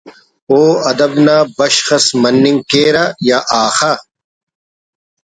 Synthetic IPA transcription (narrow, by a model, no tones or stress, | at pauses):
oːɐd̪ɐbnaːbɐɕxɐsmɐnːiŋɡkeːɾajaʔaːxa